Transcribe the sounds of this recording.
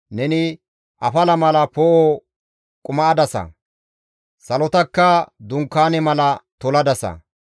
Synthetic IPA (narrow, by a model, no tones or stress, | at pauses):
nɛnɪ | ʔɐfɐlɐmɐlɐpoːʔo | kʼʊmɐːd̪ɐsɐ̰ | sɐlɔt̪ɐkːɐd̪ʊŋkːaːnɛmɐlɐt̪ɔlɐd̪ɐsɐ̰